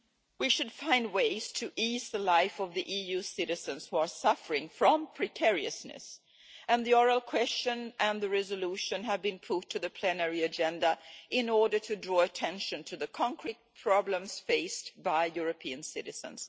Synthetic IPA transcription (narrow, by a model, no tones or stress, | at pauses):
wiʃɨdfãɪ̃nd̚weɪz̥tʰɨʔizðəlaɪfʌvðiʔijʉsɪɾɨzɨ̃nz̥huə˞sʌfə˞ɪ̃ŋfɹʌ̃mpʰɹ̥ɨkʰɛɹiɨ̰snɨ̰s | ɨ̃nðiɔɹəlˠkʰw̥ɛst͡ʃɨ̃nʔɨ̃nðɨɹɛzəluʃɨ̃nɨvbɨ̃npʰʊtʰːɨðɨpʰl̥ɛnɛɹiɨd͡ʒɛ̃ndəʔɪ̃nɔɹdə˞tʰɨdɹɔɨtʰɛ̃nʃɨ̃ntʰɨðɨkʰɑ̃ŋkʰɹit̚pʰɹ̥ɑblə̃mz̥feɪstb̥aɪjʊɹɨpʰiɨ̃nsɪɾɨz̥ɨ̰̃nz̥